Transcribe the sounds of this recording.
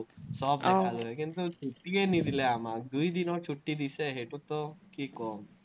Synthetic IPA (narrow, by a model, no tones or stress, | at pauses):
sɔːp̪ekʰaluɦjkint̪ut͡ʃʰuʈːikenid̪ʱileamad̪uid̪inɔt͡ʃʰuʈːid̪iseɦeʈut̪ɔkikɔːm